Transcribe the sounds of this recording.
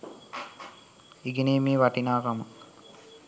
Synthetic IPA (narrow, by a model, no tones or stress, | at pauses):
iɡeneːmiːʋaʈinaːkamə